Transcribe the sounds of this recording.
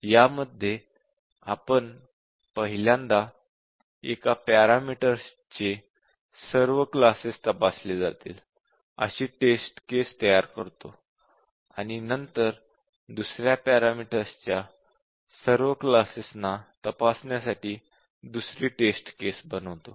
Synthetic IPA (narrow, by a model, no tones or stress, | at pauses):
jaməd̪ʱːje | apəɳ | pəɦiljãnd̪a | ekapaɾamiʈəɾs | t͡ɕe | səɾʋəklasist̪əpasled͡za̰t̪ḭːl | ə̰ɕiːʈesʈkest̪əjaɾkəɾt̪o | aɽ̃inənt̪əɾ | d̪usɾjapaɾamiʈəɾst͡ɕja | səɾʋəklasisnat̪əpasɳjasaʈiː | d̪usɾiːʈesʈkesbənəʋt̪o